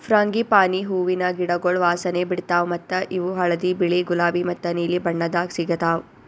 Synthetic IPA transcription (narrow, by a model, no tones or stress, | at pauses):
fɾaːŋɡipaːniɦuːʋinɐɡiɽɐɡoɭʋaːsɐneːbiɽt̪aːʋmɐt̪ːɐʔiʋuɦɐɭɐd̪ibiɭiɡulaːbimɐt̪ːɐniːlibɐɳːɐd̪aːksiɡɐt̪aːʋ